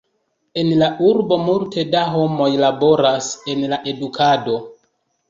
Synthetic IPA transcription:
e̞nlaʔuɾbo̞multe̞daɦo̞mo̞jlabo̞ɾase̞nlaʔe̞dukʰado̞

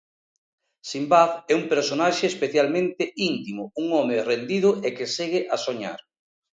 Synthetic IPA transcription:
simbaθɛumpeɾsonaʃeːspeθjalmẽnt̪ɪʔint̪imʊuŋɔmerend̪ið̞ʊʔekeseɣɪʔasoɲa̰ɾ

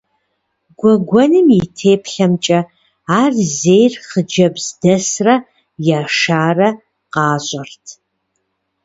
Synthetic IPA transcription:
ɡʷɔɡʷɔnɨmitʰeːpʰɬɐmt͡ʃʼɐ | aːrzejrχəd͡ʒɐbzdɐsrɐ | jaːʂʃaːrɐ | qɑːɕʼɐrtʰ

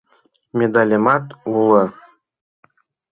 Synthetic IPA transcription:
mʲed̪ɑlʲemɑt̪ulɤ̆

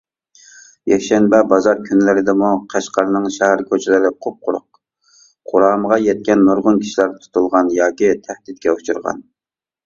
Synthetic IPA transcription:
jɛkʲʃɛnbɛbɑzɑɾkʲʰynlɪɾɪd̪ɛmuqʰæʃqɑɾnɨŋʃɛhæɾkʰʲøt͡ʃʰɪlɪɾɪqʰop̚qʰʊɾʊ̰q̚ | qʰʊɾɑːməʁɑjɛt̪̚kʲɛnːuɾʁʊnkʲʰi̥ʃilæɾt̪ʰu̥t̪ulˠʁɑnjɑːkʲit̪ʰæhd̪it̪̚kʲɛut͡ʃʰuɾʁɑ̰n

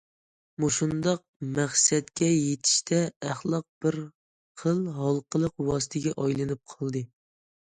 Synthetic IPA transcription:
muʃund̪ɑq̚mæχsɛt̪kʲɛjet̪ʰi̥ʃt̪ʰɛæχlˠɑq̚b̥ɪɾ | qʰəlˠɦɑlˠqʰəlˠəqwɑːsɨ̥t̪ʰɪɡʲɛʔɑjlˠɨnɨp̚qʰɑlˠd̪ɨ

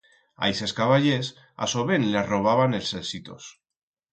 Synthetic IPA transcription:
a̰jse̞skaβaʎes | a̰soβenlaro̞β̞aβane̞lselsit̪o̞̰s

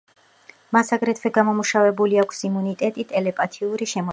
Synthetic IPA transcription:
masaɡɾɛt̪ʰvwɛɡamɔmuʃavɛbuliakʷʰsimunit̪ʼɛt̪ʼit̪ʼɛlɛpʼat̪ʰiuɾiʃɛmɔ

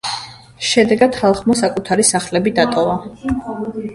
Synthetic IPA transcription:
ʃɛd̪ɛɡad̪̥χalˠχmɔsakʼut̪ʰaɾisaχlɛbid̪at̪ʼɔva

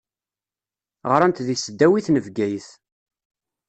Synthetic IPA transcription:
ʁɾˤænt̪ðisəd̪ːæwiθnəvɡæjθ

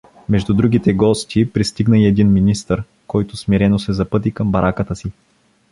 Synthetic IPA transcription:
mɛʒd̪ud̪ɾuɡ̟it̪ɛɡɔst̪ʲipɾist̪iɡnəiɛd̪inminist̪əɾ | kɔjt̪ʊsmiɾɛnosɛzɐpɤt̪̬ikəmbɐɾʔakət̪əsi

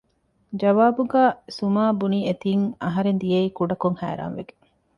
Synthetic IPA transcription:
d͡ʒɐʋaːbuɡaːsumaːbuniet̪iːŋɐɦɐɾend̪ijeiːkuɖɐkoŋhæ̰ːɾa̰ːnʋeɡe̥

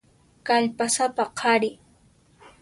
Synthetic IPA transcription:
kaʎpasapaqʰɑɾɪ

